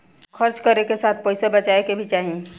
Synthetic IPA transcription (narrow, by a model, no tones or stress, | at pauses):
xʰɐɾt͡ʃkɐɾnekesaːt̪̚ʰpɔːɪsebɐt͡ʃaːekebʱit͡ʃaːɦie